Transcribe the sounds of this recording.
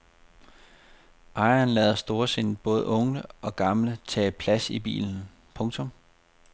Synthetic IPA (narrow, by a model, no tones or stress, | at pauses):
ʔɑ̈ɪɐnlɛːð̞̩ˠɐsd̥o̝ːɐse̝n̰b̥ɔ̽ːð̞ˠʔɔ̽ŋəɒ̽ɡ̥ɑ̈mlət͡sʰɛ̰ːpʰlæsib̥ḭːln̩ | pʰɔ̽ŋt͡sʰɔ̽m